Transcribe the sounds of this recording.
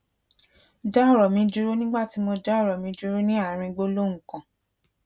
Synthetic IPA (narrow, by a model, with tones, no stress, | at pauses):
d͡ʒa˦˨ɾɔ˨mĩ˧˦d͡ʒu˦ɾo˦nĩ˦ɡ͡ba˦˨ti˨˦mɔ˧d͡ʒa˦˨ɾɔ˨mĩ˨˦d͡ʒu˧˦ɾo˦nĩ˦a˦˨ɾ̃ĩ˧ɡ͡bo˦lo˦ŋ̩˨kã˨